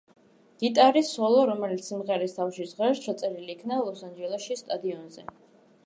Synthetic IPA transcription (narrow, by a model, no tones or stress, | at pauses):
ɡ̥it̪ʼaɾisɔlˠɔɾɔmɛlit̪sʰimʁɛɾɛst̪ʰafʃizʁɛɾt͡ʃʰɔt̪sʼɛɾiliːkʰnalˠɔsand͡ʒɛlˠɛʃʃist̪ʼad̪iɔnzɛ